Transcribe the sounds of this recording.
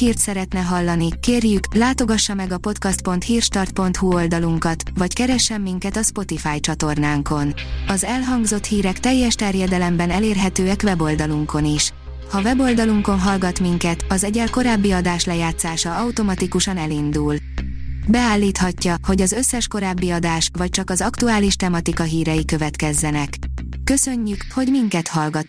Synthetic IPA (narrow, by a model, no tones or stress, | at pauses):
hiːrt̪sɛɾɛt̪nɛɦɒlːɒnikeːrjyklaːt̪o̞ɡɒʃːɒmɛɡɒpo̞t̪kɒst̪̚po̞nt̪hiːrʃt̪ɒrt̪̚po̞nt̪huo̞ld̪ɒluŋkɒt̪vɒckɛɾɛʃːɛmːiŋkɛt̪ɒspo̞t̪ifaːjt͡ʃɒt̪o̞rnaːŋko̞nɒzɛlɦɒŋɡzo̞t̪hiːɾɛkt̪ɛjːɛʃt̪ɛrjɛd̪ɛlɛmbɛnɛleːrɦɛt̪øːɛkʋɛbo̞ld̪ɒluŋko̞niʃ | hɒvɛbo̞ld̪ɒluŋko̞nɦɒlɡɒt̪miŋkɛt̪ɒzɛɟɛlko̞ɾaːbːiɒd̪aːʃlɛjaːt̪saːʃɒɒwt̪o̞mɒt̪ikuʃɒnɛlind̪ul | bɛaːlːiːt̪hɒcːɒho̞ɟɒzø̞sːɛʃko̞ɾaːbːiɒd̪aːʃʋɒc̚t͡ʃɒkɒzɒkt̪uaːliʃt̪ɛmɒt̪ikɒɦiːɾɛjikø̞vɛt̪kɛzːɛnɛkː | ø̞sø̞ɲːykho̞ɟmiŋkɛt̪hɒlɡɒt̪